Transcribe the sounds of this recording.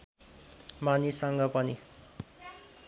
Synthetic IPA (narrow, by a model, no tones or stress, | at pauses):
manisʌŋɡʌpʌni